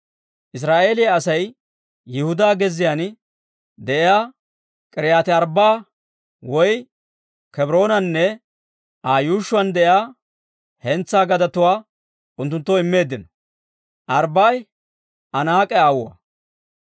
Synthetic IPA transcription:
ʔɪs̬ɾaːʔe̞ːlɪjaːsɐj | jɪhʊd̪aːɡɛzːɪjan | d̪ɛʔɪjaː | kʼɛɾɪjaːt̪ɪɐɾbaː | wɔj | kɛbɾo̞ːnɐnːɛ | ʔajuːʃʊɐnd̪ɛʔɪjaː | hɛnt͡sːaːɡɐd̪ɐt̪ʊwaː | ʊnt̪ːʊnt̪ːɔɪmːe̞ːd̪ːɪnɔ̥ | ʔɐɾbaːj | ʔɐnaːkʼɛaːwʊwɐ̰

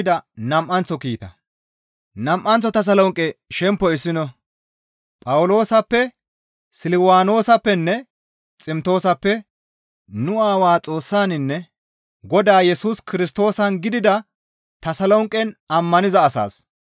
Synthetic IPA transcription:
d̪ɐnɐmʔɐnt͡sːɔkiːt̪ɐ̰ | nɐmʔɐnt͡sːɔt̪ɐs̬ɐlɔŋkʼːɛʃɛmpːɔɪsːɪnɔ | pʼɐwʊlo̞ːsɐpːɛ | sɪlɪwaːno̞ːsɐpːɛnːɛ | t͡sʼɪmt̪o̞ːsɐpːɛ | nʊaːwaːt͡sʼo̞ːsːaːnɪnːɛ | ɡɔd̪aːjɛsuːskɪɾɪst̪o̞ːsɐnɡɪd̪ɪd̪ɐ | t̪ɐsɐlɔŋkʼːɛnɐmːɐnɪzɐːsa̰ːs

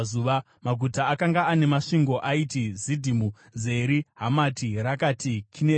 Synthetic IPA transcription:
uʋa | maɡʱutaːkaŋɡaːne̞maʂiŋɡo̞ʔaitizidʱimu | ze̞ɾiɦamatirakatikʰine

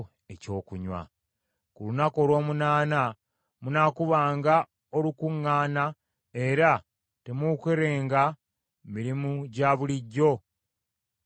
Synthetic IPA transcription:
eco̞ːkuɲwa̰ | kulunako̞ːlwo̞ːmunaːna | munaːkuβaːŋɡa | o̞lukuŋːaːna | e̞ɾa | te̞mukweɾeːŋɡa | miɾimuɟaβuliɟːo̞

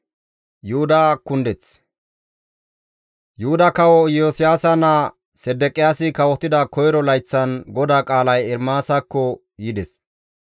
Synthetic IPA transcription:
jʊʊd̪aːkʊnd̪ɛt͡s | jʊhʊd̪ɐkɐwɔjoːsɪjaːsɐnɐ | sɛd̪ːɛkʼːɪjaːsɪkɐwɔt̪ːɪd̪ɐkɔjɾɔlɐjt͡sːɐnɡɔd̪aːkʼaːlɐjɛɾmaːsɐkːɔ | jɪd̪ɛs

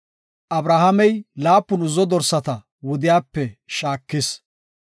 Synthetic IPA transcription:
ʔɐbɾɐhɐmɛjlaːpːʊnʊzɔd̪ɔɾsɐt̪ɐ | wɔd̪ɪjaːpːɛʃaːkːɪs

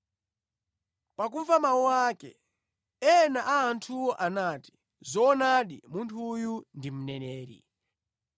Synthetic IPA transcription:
pak̬uɱvamawɔwakɛ̰ | ɛnaʔaːntʰuwɔʔanati̥ | zɔːnaɗimuntʰujundim̩nɛnɛːɾḭ

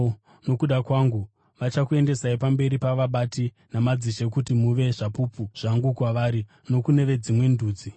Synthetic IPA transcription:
no̞kuɗakwaŋɡu | ʋat͡ʃakue̞nde̞saipambe̞ɾipaʋaɓati | namad͡ziʃekutimuʋe̞ʐapupuʐ̥aŋɡukwaʋaːɾi | no̞kune̞ʋe̞d͡zimwe̞nduːd͡zi

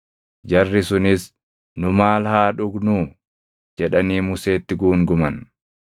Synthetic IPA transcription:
d͡ʒɐrːɪsʊnɪs | nʊmaːlhaːᶑʊɡnuː | d͡ʒɛᶑɐniːmʊse̞ːt̪ːɪɡuːŋɡʊmɐn

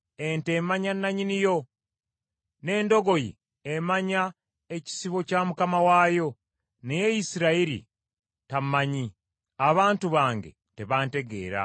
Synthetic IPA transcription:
e̞nte̞maɲanːaɲinijo̞ | ne̞ːndo̞ɡo̞jḭ | emaɲa | eci̥siβo̞camukamawaːjo̞ | neje̞jisiɾaiɾḭ | tamaɲi | aβaːntuβaːŋɡe̞̰ | te̞βaːnte̞ɡe̞̰ːɾa̰

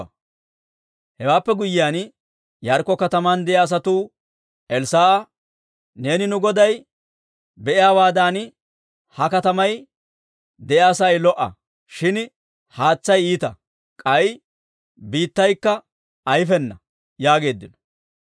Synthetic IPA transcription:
hɛwaːpːɛɡʊjɪjaːn | jɐɾkːɔkɐt̪ɐmaːnd̪ɛʔjaːs̬ɐt̪uː | ʔɛlsaːʔɐ | ne̞ːnɪnʊɡɔd̪ɐj | bɛʔɪjaːwaːd̪aːn | hɐkɐt̪ɐmɐj | d̪ɛʔjaːsɐjlɔʔɐ̰ | ʃɪn | haːt͡sːɐjiːt̪ɐ | kʼɐj | biːt̪ːɐjkːɐː | jfɛnːɐ | jaːɡe̞ːd̪ːɪnɔ̥

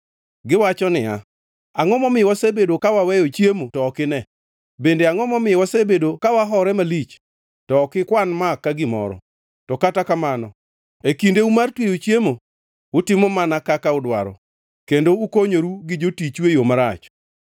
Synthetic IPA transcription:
ɡɪwat͡ʃɔnɪa | aŋɔmɔmɪwɔsebedokawawɛjot͡ʃjemotɔːkɪnɛ | bendeaŋɔmɔmɪwɔsebedokawaɦɔɾɛmalit͡ʃ | tɔːkɪkwanmakːaɡɪmɔ̰ɾɔ̰ | tɔkatakamanɔ | ekindeumartwejot͡ʃjemo | ʊtɪmomanakakaʊdwa̰ɾɔ̰ | kendoukoɲoɾuɡɪd͡ʒotit͡ʃwejomaɾat͡ʃ

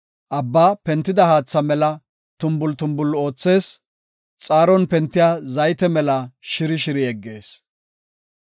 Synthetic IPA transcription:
ʔɐbːaːpɛnt̪ːɪd̪ɐhaːt͡sːɐmɛlɐ | t̪ʊmbʊlt̪ʊmbʊlo̞ːt͡sːe̞ːs | t͡sʼaːɾɔnpɛnt̪ːɪjaːzɐjt̪ɛmɛlɐʃɪɾɪʃɪɾɪɛɡːe̞ːs

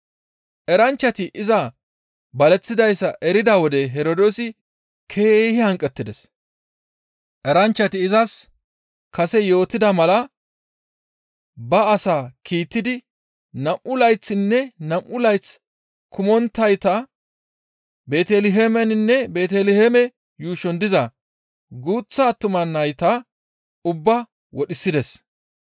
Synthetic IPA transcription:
ʔɛɾɐnt͡ʃːɐt̪ɪʔɪzɐ | bɐlɛt͡sːɪd̪ɐjsːɐʔɛɾɪd̪ɐwɔd̪ɛɦɛɾod̪o̞ːsɪ | kʰe̞ːhɪhɐŋkʼːɛt̪ːɪd̪ɛs | ʔɛɾɐnt͡ʃːɐt̪ɪːzɐs | kɐsɛjo̞ːt̪ːɪd̪ɐmɐlɐ | bɐːsaːkʰiːt̪ːɪd̪ɪ | nɐmʔʊlɐjt͡sːɪnːɛnɐmʔʊlɐjt͡s | kʰʊmɔnt̪ːɐjt̪ɐ | be̞ːt̪ɛlɪɦemɛnɪnːɛbe̞ːt̪ɛlɪhemɛ | juːʃɔnd̪ɪzɐ | ɡuːt͡sːɐːt̪ːʊmɐnːɐjt̪ɐ | ʊbːɐ | wɔɗɪsːɪd̪ɛs

